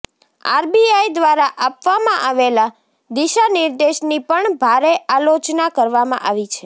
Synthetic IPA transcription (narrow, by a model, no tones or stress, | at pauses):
a̰ɾbiaid̪ʋaɾaʔapʋamãʔaʋela | d̪iʃanɪɾd̪eʃnipəɳbʱaɾeʔalot͡ʃnakəɾʋamã̰ʔaʋit͡ʃʰe